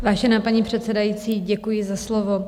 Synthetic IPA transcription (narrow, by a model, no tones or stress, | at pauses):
vaːʒɛnaːpaɲiːpr̝̥ɛt̪sɛdajit͡siːɟɛkujɪzaslovo